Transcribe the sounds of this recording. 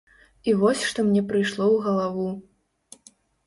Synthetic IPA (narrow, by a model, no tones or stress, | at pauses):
ivɔsʲʂt̪ɔmnʲɛpɾɨjʂlˠɔwɣɐlˠavu